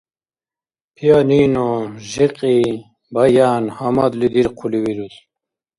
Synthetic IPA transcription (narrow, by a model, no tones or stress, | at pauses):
pʰijaːniːnoʑiqʼi | bajaːnhɐmad̪lid̪iɾqʰuliwiɾut̪